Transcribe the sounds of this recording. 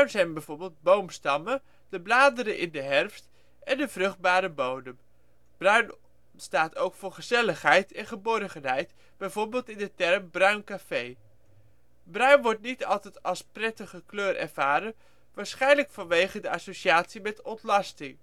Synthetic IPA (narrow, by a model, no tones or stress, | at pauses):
bɥnzɛjnbɛjvʊːɹbeːlˠd̚bowmstɑmə | d̥əblaːdəɾəʔɪ̰ndəɦɛrfst | ɛndəvrɵχd̚baːɾəbowdəm | b̥rœɥn | staːtowkfʊːɹχəzɛləχɦɛjtɛnχəbɔrχənɦɛjt | b̥ɛjvoːɹbɪːlˠtɪndətɛrmbrœɥnkafej | brœɥnʋɔɹt̚nitɑ̰lˠtɛjtɑlˠsprɛtəχəkløːrʔɛ̰ɹv̥aːɾən | ʋaːɹsχɛjnləkfɑnʋejχədəɑsowʃiaːtsimɛtɔntlɑstɪŋ